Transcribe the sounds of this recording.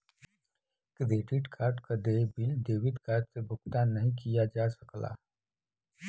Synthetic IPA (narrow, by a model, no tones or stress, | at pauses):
kɾeːʈɪʈkʰaːɾʈkad̪eːbɪld̪eːʋɪd̪kaːɾʈsebʱʊkt̪anːɐɦĩkijad͡ʒaːsəkla̰ː